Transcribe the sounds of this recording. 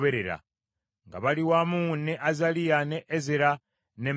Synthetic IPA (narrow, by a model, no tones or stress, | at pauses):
βe̞ɾe̞ɾa̰ | ŋɡaβaliwamunːeʔazalijaneʔezeɾa | ne